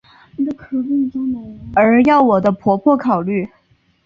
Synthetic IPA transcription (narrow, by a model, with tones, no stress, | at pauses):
ni˨˩d̪ə˧kʰɤ˨˩pi˥˩nt͡so˥ŋnə˧˥˦ə˧˥jɑ˥˩ʊwɔ˨˩d̪ə˦pʰwɔ˧˥pʰwɔ˥˩kʰɑ˨˩ʊly˥˩